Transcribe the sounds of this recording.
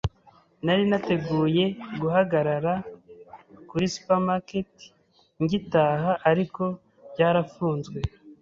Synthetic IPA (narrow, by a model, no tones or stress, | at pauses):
naɾinate̞ɡuːje̞ɡuɦaɡaɾaɾa | kuɾisu̥pamaketi̥ | ɲɟitaːɦaʔaɾiko̞ | bɟaːɾafuːnzɡwe̞